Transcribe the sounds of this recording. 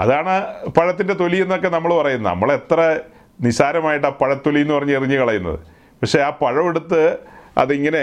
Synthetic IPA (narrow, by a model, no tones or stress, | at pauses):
ɐ̰ðaːɳɨpɐɻɐt̪ːinde̞t̪o̞lije̞nːo̞kːe̞nɐmːɐɭpɐrɐjunːɐ̰nɐ̰mːɐɭe̞t̪rɐ | nisaːɾɐmaːjiʈːaːpɐɻɐt̪ːo̞lijenːupɐrɐɲːueriɲːɨkɐɭɐjunːɐ̰ðɨ̰ | pɐkʂe̞aːpɐɻɐʋeɽut̪ːɨɐ̰ðiŋːɐne̞